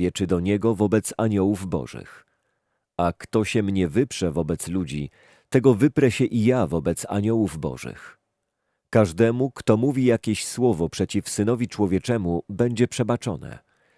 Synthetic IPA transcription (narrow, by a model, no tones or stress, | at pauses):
ɛt͡ʂɘd̪ɔɲɛɡɔvɔbɛt̪saɲɔwuvbɔ̰ʐɘ̰x | akt̪ɔɕɛmɲɛvɘpʂɛvɔbɛt̪slud͡ʑi | t̪ɛɡɔvɘpɾɛɕɛʔijavɔbɛt̪sa̰ɲɔwuvbɔ̰ʐɨ̰x | kaʐd̪ɛmukt̪ɔmuvʲijakʲeɕswɔvɔpʂɛt͡ɕifsɘnɔvʲit͡ʂwɔvʲjɛt͡ʂɛmubɛɲd͡ʑɛpʂɛbat͡ʂɔ̰nɛ̰